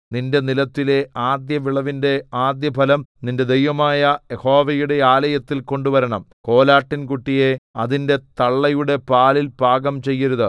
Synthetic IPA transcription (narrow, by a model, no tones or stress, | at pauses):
ninde̞nilɐt̪ːile̞aːd̪jɐʋiɭɐʋinde̞aːd̪jɐbʱɐlɐmninde̞d̪ejʋɐmaːjɐjeho̞ːʋɐjuɽe̞aːlɐjɐt̪ːilko̞ɳɖuʋɐɾɐɳɐmko̞ːlaːʈːinkuʈːije̞ɐðinde̞t̪ɐɭːɐjuɽe̞paːlilpaːɡɐmt͡ɕe̞jːɐɾuðɨ